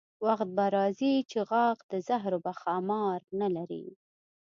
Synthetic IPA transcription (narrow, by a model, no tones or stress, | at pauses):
waxt̪̚baɾɑzit͡ʃeɣɑqd̪əzaɦɾobaxɑmɑɾnalaɾḭ